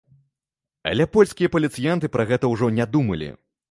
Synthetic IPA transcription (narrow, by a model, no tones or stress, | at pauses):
ɐ̰lʲɛpɔlʲsʲkʲijɐpɐlʲit̪sɨjant̪ɨpɾʔɐɣɛt̪ɐwʐɔnʲad̪umɐlʲḭ